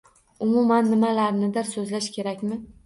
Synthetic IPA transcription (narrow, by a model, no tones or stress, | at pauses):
ʊmʊmanːɪmalaɾnɪd̪ɪɾsɵzlaʃkʲʰe̞ɾakʲmɪ